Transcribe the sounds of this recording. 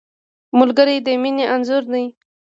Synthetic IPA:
mʊlɡəɾid̪əmineʔanzʊɾnai

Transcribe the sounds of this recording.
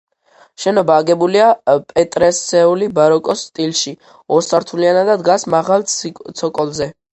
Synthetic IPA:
ʃɛnɔbaːɡɛbuliapʼɛt̪ʼɾɛsɛulibaɾɔkʼɔst̪ʼilˠʃi | ɔsaɾt̪ʰulianad̪ad̪ɡasmaʁalˠt̪sʰɔkʼɔlˠzɛ

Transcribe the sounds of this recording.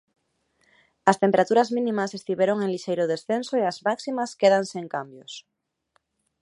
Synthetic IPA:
ɐst̪empeɾat̪uɾazmĩnĩmase̞st̪iβjeɾoŋẽŋliʃejɾoðesθensoeazmaksimaskeðanseŋkambjos

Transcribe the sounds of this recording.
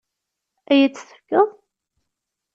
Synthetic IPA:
æjæt͡sːθə̥kːəðˤ

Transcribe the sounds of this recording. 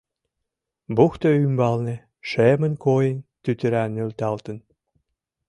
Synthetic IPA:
buxt̪oymbɑlnĕ | ʃemə̆nkojent̪yt̪ə̆ɾænølt̪ɑlt̪ən

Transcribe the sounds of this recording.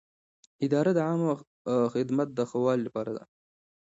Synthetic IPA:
ɪd̪ɑɾad̪əʕam | xɪd̪mat̪̚d̪əxawɑlilapɑɾad̪a̰

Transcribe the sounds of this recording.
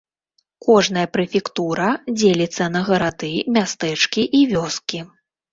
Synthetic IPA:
kɔʐn̪ɐjɐpɾɨfʲikt̪uɾɐd͡zʲelʲit̪sːɐnɐɣɐɾad̪ɨmʲast̪ɛt͡ʂkʲiʔivʲɔskʲi

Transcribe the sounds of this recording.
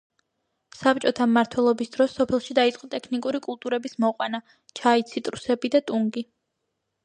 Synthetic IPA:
sap̚t͡ʃʼɔt̪ʰamːaɾt̪ʰwɛlˠɔbisd̪ɾɔsːɔpʰɛlˠʃid̪ait̪sʼqʼɔt̪ʼɛkʰnikʼuɾikʼulˠt̪ʼuɾɛbismɔqʼwana | t͡ʃʰait̪sʰit̪ʼɾusɛbid̪at̪ʼuŋɡi

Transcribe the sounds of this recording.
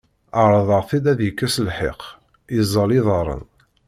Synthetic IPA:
əɾˤðˤəʁθid̪æðjəkːæsəlħḛq | izˤːɑliðˤɑɾˤə̰n

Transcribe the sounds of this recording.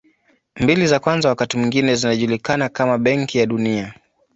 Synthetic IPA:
mbilizakwanzawakatimwiŋɡinɛzinaʄulikanakamaɓɛŋkijaɗunia

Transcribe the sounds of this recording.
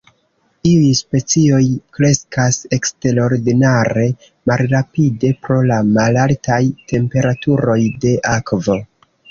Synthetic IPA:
iujspe̞t͡sio̞jkɾe̞skase̞kste̞ɾo̞ɾdinaɾe̞ | malɾapide̞pɾo̞lamalaltajte̞mpe̞ɾatuɾo̞jde̞ʔakvo̞

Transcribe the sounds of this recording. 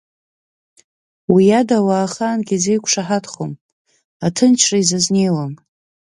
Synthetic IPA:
wijadawaːχaːnɡʲize̞jkʷʰʂaħatχo̰m | atʰɨnt͡ʃʰraizazne̞jwam

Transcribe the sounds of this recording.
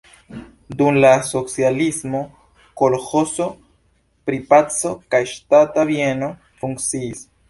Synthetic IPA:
dumlaso̞t͡sjalismo̞ | kolxo̞so̞ | pɾipat͡so̞kajʃtatabjeno̞ | fuŋkt͡siːs

